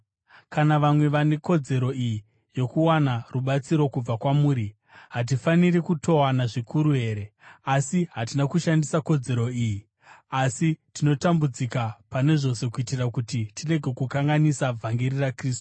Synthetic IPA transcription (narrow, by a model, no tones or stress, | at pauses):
kanaʋamwe̞ʋane̞ko̞d͡ze̞ɾo̞iji | jo̞kuwanaruɓat͡siɾo̞kub͡vakwamuːɾi | ɦat̬ifanirikutʰo̞wanaʐikʰuɾuɦe̞ːɾe̞asiɦatinakuʃandisako̞d͡ze̞ɾo̞iːji | asitino̞tambud͡zikapane̞ʐo̞se̞kuitirakutitire̞ɡʱe̞kukaŋɡanisab͡vʱaŋɡirirakriːstu̥